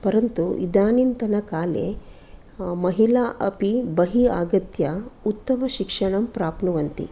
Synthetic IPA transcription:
pɐɾɐnt̪uʔḭd̪aːnint̪ɐnɐkaːlḛ | mɐɦilaːʔɐpibɐɦiaːɡɐt̪jɐut̪ːɐmɐʃikʂɐɳɐmpɾaːpnuʋɐnt̪ḭ

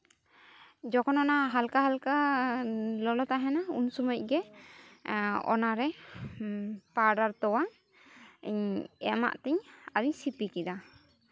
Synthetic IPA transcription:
d͡ʒɔkɔnɔnaɦalkaɦalka | lɔlɔt̪aɦɛnaṵnsɔmɔc̚ˀɡɛ | ɔ̰naɾɛ | paɾɖaɾt̪ɔwaŋ | ɲɛ̰ma̰ʔt̪ɛɲaɾiɲsipikid̪a

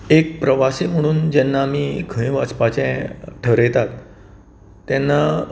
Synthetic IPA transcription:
ek̚pɾəʋasiːm̤əɽ̃uːnd͡ʑɛnːaːmiːɡʰʱə̃ĩʋat͡spat͡ɕɛ̃ʈʰəɾjt̪at̪ː | ɛnːa

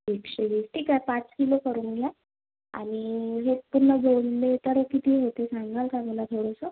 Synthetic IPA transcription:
ekɕeʋiːsʈʰiːkapat͡skilokəɾuŋɡʱja | a̰ñiɦepunːəd͡zonlet̪əɾəkit̪iːɦot̪esaŋɡalkaməlat̪ʰoɽəsə

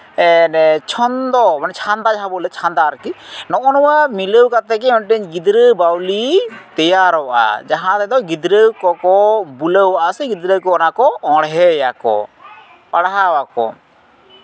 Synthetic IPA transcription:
ɛnɛt͡ʃʰɔnd̪ɔmanɛt͡ʃʰand̪ad͡ʒaɦãbɔlɛt͡ʃʰand̪aɾkinɔʔɔnɔwamiləwkat̪ɛkɛɔnʈɛɲɡid̪ɾəbawlit̪ɛjaɾɔwaʔa̰d͡ʒaɦãt̪ɛd̪ɔɡid̪ɾəkɔkɔbuləwaʔasɛɡid̪ɾəkɔnakɔɔ̃ɽɦɛjakɔ̰ | paɽaɦawakɔ̰

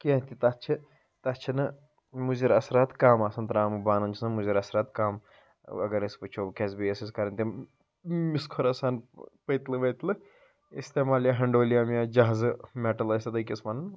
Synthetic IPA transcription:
kiɐ̃t̪it̪ɐtt͡ʃʰi | t̪ɐt͡ʃʰinɨ | muziɾɐsɾaːt̪kaːmaːsɐnt̪ɾaːmɨbaːnɐnt͡ʃʰinɨmuziɾɐsɾaːt̪kaːm | ɐ̰ɡɐɾɐspɨt͡ʃʰoːbkʲʰezʲbijɐsiskɐɾɐnʲt̪ʲi | miskʰoɾɐsaːnpəjt̪lɨʋɐt̪lɨ | ist̪eːmaːljaɦɐɳɖoːlijaːmjad͡ʒaɦzɨmeʈɐlɐst̪ɐd̪ɐkʲismɐnn

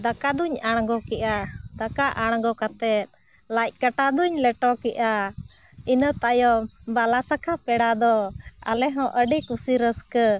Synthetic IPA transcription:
d̪akad̪uɲaɽ̃ɡɔkɛʔad̪akaʔaɽ̃ɡɔkat̪ɛt̪̚ˀ | lajt̪̚ˀkaʈad̪uɲlɛʈɔkɛʔa | inət̪ajɔbalasakʰapɛɽad̪ɔa̰lɛɦɔ̃ʔəɖikusiɾəskə

